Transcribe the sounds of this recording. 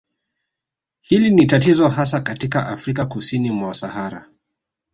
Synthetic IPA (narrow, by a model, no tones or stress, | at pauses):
hilinitatizɔɦasakatikaʔafɾikakusinimwasahaɾa̰